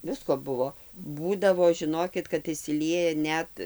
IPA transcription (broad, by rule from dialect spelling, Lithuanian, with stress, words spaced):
ˈʋʲɪskoː ˈbʊʋoː ˈbuːdɐʋoː ʒʲɪˈnoːkʲɪt kɐt ɪʃʲsʲɪˈlʲiɛjɛ ˈnʲɛt